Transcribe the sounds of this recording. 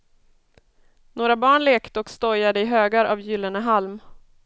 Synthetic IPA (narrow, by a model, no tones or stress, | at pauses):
noːɾabɑːɳleːkt̪əɔkst̪ɔjad̪əɪɦøːɡaɾʔavjʏlːəɳəɦalm